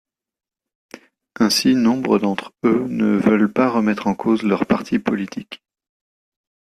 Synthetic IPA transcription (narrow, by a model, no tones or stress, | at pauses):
ɛ̃sinɔ̃bʁəd̪ɑ̃t̪χønəvœlpaʁəmɛt̪χɑ̃kʰozlœʁpaʁt̪ʰipɔlit̪ʰik